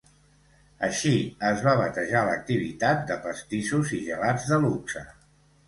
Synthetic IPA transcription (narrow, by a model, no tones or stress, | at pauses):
əʃiəzβaβət̪əʒalək̚t̪iβ̞ḭt̪at̪̚d̪əpəst̪isuziʒəlad͡zðəluksə̰